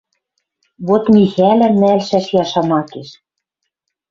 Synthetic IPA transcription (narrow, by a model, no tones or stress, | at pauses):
βot̪mixælæ̆mælʃæʃjɑʃɑmɑkeʃ